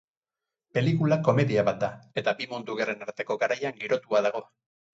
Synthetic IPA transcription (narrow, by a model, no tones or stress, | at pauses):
pe̞likulako̞me̞ðiaβat̪̚d̪ae̞t̪abimond̪uɣere̞naɾt̪e̞ko̞ɡaɾajaŋɡiɾo̞t̪uaðaɣo̞